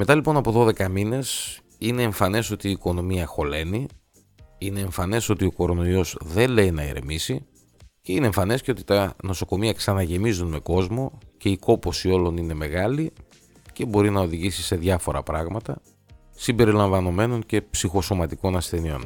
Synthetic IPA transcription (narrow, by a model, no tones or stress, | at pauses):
me̞t̪ɐlipo̞nɐpo̞ðo̞ðe̞kɐmine̞s | ine̞ːɱfɐne̞so̞t̪iːko̞no̞miɐxo̞le̞ni | ine̞ːɱfɐne̞so̞t̪io̞ko̞ɾo̞no̞io̞zðe̞le̞inɐḛɾe̞̰misi | ce̞ine̞ːɱfɐne̞sce̞o̞t̪i̥t̪ɐno̞so̞ko̞miɐksɐnɐʝe̞mizunme̞ko̞zmo̞ce̞iko̞po̞sio̞lo̞nine̞me̞ɣɐli | ce̞bo̞ɾinɐo̞ðiʝisise̞ðjʝɐfo̞ɾɐ̰pɾɐɣmɐt̪ɐ | simbe̞ɾilɐɱvɐno̞me̞no̞ɲce̞psixo̞so̞mɐt̪iko̞nɐsθe̞nio̞̰n